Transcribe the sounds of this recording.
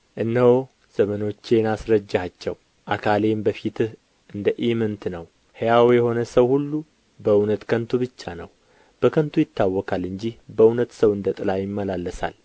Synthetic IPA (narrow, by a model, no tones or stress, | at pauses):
ʔɨnːəho | z̥əməno̞t͡ʃːe̞nasɾəd͡ʒːhat͡ʃːɛw | ʔakʰale̞mbəfit̪ɨ | ʔɨnd̪əʔimɨnt̪nəw | hejawjɛho̞nəsəwhulːu | bəɨwnət̪kʰənt̪ʰubɨt͡ʃːanəw | b̥əkʰənt̪ʰujɪt̪ːawːɔkʰalɨɲd͡ʒihbəɨnət̪səwɨnd̪ət̪ʼɨlajɪmːəlalːəsa̰l